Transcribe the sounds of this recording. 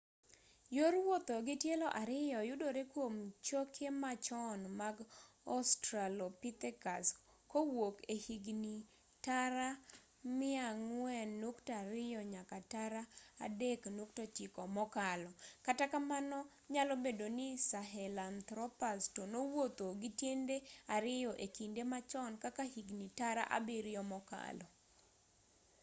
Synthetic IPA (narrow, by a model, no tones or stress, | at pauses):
joɾwot̪oɡɪtjelɔʔaɾɪjɔjʊdoɾekwomt͡ʃokʰemat͡ʃɔnmaɡɔstɾalopit̪ɛkas | kowokehiɡni | taɾa | mɪaŋwɛnːuktaɾɪjɔɲakataɾa̰ːdeknuk̚tot͡ʃɪkɔmɔkalɔkatakamanɔ | ɲalɔbedonɪsaɦɛlant̪ɾɔpastonowot̪oɡitjendeaɾɪjɔʔekindemat͡ʃɔnkakahiɡnitaɾa̰ʔa̰bɪɾɪjɔmɔka̰lɔ